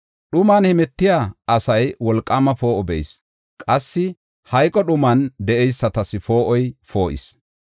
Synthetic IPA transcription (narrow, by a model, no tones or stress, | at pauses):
ɗʊmaːnhɛmɛt̪ːɪjaːɐsɐjwɔlkʼːɐːmɐfo̞ːʔɔbɛ̰js | kʼɐsːɪ | hɐjkʼɔɗʊmɐnd̪ɛʔɛjsːɐt̪ɐsɪfo̞ːʔɔjfo̞ːʔɪ̰s